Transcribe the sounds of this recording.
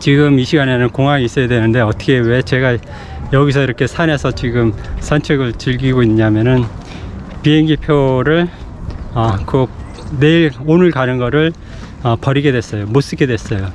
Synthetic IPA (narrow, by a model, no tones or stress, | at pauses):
t͡ɕiɡɯmiɕʰiɡane̞nɯnkoŋɦaŋiis͈ʌjadwenɯnde̞ʌtʰʌkʰe̞we̞t͡ɕe̞ɡa | jʌɡis̬ʰʌiɾʌkʰe̞sʰane̞sʰʌt͡ɕiɡɯmsʰant͡ɕʰweɡɯɭt͡ɕɯʎɡiɡoiɲːamjʌnɯn | piɦe̞ŋɡipʰjoɾɯɭ | ʌkɯ | ne̞iɭonɯɭkanɯnɡʌɾɯɭ | ʌpʌɾiɡe̞dwe̞s͈ʌjomos͈ɯke̞dwe̞s͈ʌjo